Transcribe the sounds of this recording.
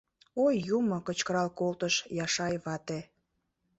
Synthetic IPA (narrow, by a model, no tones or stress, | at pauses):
ojːumŏkət͡ɕkəɾɑlkolt̪əʃjɑʃɑjβɑt̪e